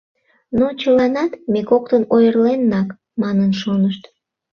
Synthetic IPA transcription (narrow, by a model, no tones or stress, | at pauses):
not͡ɕəlɑnɑt̪mekok̚t̪ənojərlenːɑk | mɑnənʃonəʃt̪